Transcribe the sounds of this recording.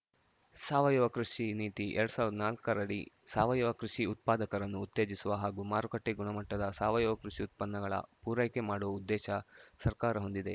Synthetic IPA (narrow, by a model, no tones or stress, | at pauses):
saːʋɐjɔʋɐkɾuʂiniːt̪iʔeɾɐɽusaːʋɾd̪ɐnaːlkɐɾɐɽḭ | saːʋɐjɔʋɐkɾuʂiut̪̚paːd̪ɐkɐɾɐnːuːt̪ːe̞ːd͡ʒisuʋɐɦaːɡuːmaːɾukɐʈːeɡuɳɐmɐʈːɐd̪ɐsaːʋɐjɔʋɐkɾuʂiut̪̚pɐnːɐɡɐɭɐ̰puːɾɐjkemaːɽuʋɐud̪ːɛːʃɐsɐɾkaːɾɐɦo̞nd̪id̪e̞